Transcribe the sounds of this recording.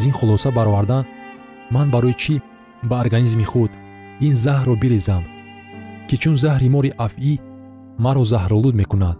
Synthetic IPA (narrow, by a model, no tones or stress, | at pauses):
zinχulɔsabaɾɔvaɾd̪an | manbaɾɔjit͡ʃʰi | baoɾɡanizmiχud̪ | inzahɾɔbiɾezam | kʰit͡ʃʰunzahɾimɔɾiʔafi | maɾɔzahɾɔlud̪mekunad̪̥